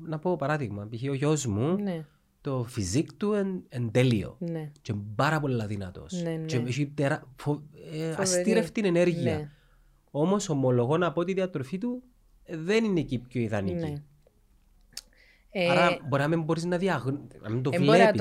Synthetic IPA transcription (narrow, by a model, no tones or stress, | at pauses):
nɐpo̞pɐɾɐðiɣmɐpiçioʝo̞zmun | t̪o̞fizikt̪uenend̪elio̞̰nt͡ʃebɐɾɐpolːɐðinɐt̪o̞̰st͡ʃeʃit̪eɾɐfoɐst̪iɾeft̪inene̞ɾʝiɐ | o̞mo̞so̞molo̞ɣo̞nɐpot̪iðiɐt̪ɾofit̪u | ðeninecipçoiðɐniki | ɐɾɐboɾiɐmembo̞ɾiznɐðiɐɣnnɐ̰mind̪ovlei